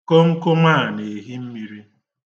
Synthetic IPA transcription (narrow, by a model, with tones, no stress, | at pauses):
kɔ˦ŋ̩˦kʊ˦ŋʷaː˦˨ne˨ɦi˦m̩˦mi˦ɾi˦